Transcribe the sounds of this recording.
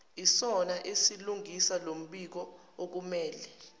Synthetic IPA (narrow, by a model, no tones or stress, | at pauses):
isɔnaʔesiluŋʱisalom̩ɓik̬ɔ | ok̬umɛːlɛ